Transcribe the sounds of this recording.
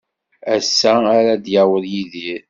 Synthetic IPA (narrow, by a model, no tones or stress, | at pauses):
æsːæːɾæd̪jawəðjiðiɾ